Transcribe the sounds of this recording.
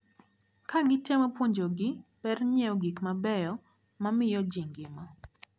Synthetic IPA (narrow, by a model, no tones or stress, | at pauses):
kaɡɪtɛmopuɲd͡ʒoɡɪbɛɾɲɛɔɡikmabɛjɔ | mamɪjɔd͡ʒiŋɡɪma